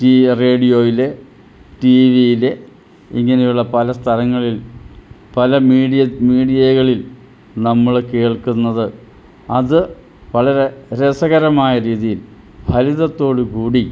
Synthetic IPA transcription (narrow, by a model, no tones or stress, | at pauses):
ʈire̞ːɖijo̞ːjile̞ | ʈiʋijile̞ | iŋːɐnejuɭːɐpɐlɐst̪ʰɐlɐŋːɐɭil | pɐlɐmiːiɐmiːɽijɐɣɐɭil | nɐmːɐɭke̞ːɭkunːɐðɨ | ɐðɨ | pɐɭɐɾe̞ɾesɐɣɐɾɐmaːjɐɾiːðijil | bʱɐliðɐt̪ːo̞ːɽukuːɽi